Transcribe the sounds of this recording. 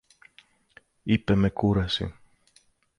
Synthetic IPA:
ipemekuɾɐsḭ

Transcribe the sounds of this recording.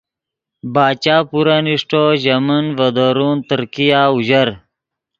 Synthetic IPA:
baːt͡ɕaːpuɾaniʂʈoːʑɐmɐnvɐd̪oɾuːnt̪əɾkijaːuʑəɾ

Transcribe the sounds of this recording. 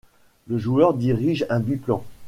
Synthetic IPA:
ləʒuœʁd̪iʁiʒɛ̃byplɑ̃

